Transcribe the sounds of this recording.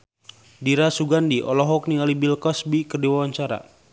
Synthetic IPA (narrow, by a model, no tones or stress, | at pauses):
diɾasuɡandiʔɔ̰lɔɦɔk̚niŋalibilkɔsbikərdiwawaɲt͡ʃaɾa̰